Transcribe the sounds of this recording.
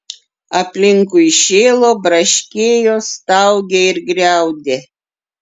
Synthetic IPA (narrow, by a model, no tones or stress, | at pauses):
ɐpʲlʲɪŋkʊɪʃʲeːlˠoːbɾɐʃʲkʲeːjoːst̪ɑʊɡʲeɪɾɡɾʲæˑʊd̪ʲeː